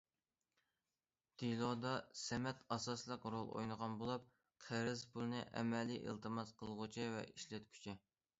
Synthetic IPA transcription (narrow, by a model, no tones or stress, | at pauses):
d̪̥ilˠɑd̪ɑsɛmɛt̪ɑsɑslˠəqɾolˠo̰jnəʁɑnbolˠɑp̚ | qʰeɾɪzpʰulˠnɨʔɛ̰mɛliʔḛlt̪ʰɨmɑzqʰəlˠʁʊt͡ʃʰivɛ̰ʔiʃlɛt̪̚kʲʰy̥t͡ʃʰi